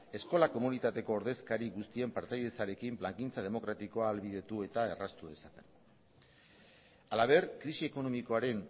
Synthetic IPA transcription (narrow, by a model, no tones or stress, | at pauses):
e̞sko̞lako̞munit̪at̪e̞ko̞ːɾðe̞skaɾiɣust̪ie̞mpaɾt̪ajðe̞t͡saɾe̞kimplaŋkint͡sað̞e̞mo̞kɾat̪iko̞aːlβið̞e̞t̪ue̞t̪ae̞rast̪uðe̞sat̪en | alaβ̞e̞ɾkɾisie̞ko̞no̞miko̞aɾe̞n